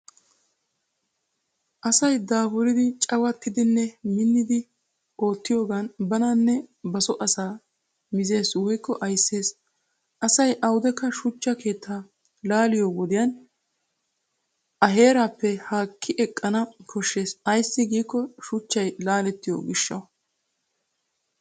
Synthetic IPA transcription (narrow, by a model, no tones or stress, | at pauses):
ʔɐsɐjd̪aːfʊlɪd̪ɪt͡ʃʼɐwɐt̪ːɪd̪ɪnːɛmɪnːɪd̪ɪ | o̞ːt̪ːɪjo̞ːɡanbɐnanːɛbɐsɔʔɐsaː | mɪze̞ːswɔjkːɔʔɐjsːe̞ːs | ʔɐsɐjʔɐwd̪ɛkːɐʃʊt͡ʃːɐke̞ːt̪ːaː | laːlɪjoːɡɔd̪ɪjɐn | ʔɐɦe̞ːɾaːpːɛhaːkʰːɪʔɛkʼːɐnɐkʰɔʃːe̞ːsɐjsːɪɡiːkːɔʃʊt͡ʃːɐjlaːlɛt̪ːɪjo̰ːɡɪʃːɐ̰w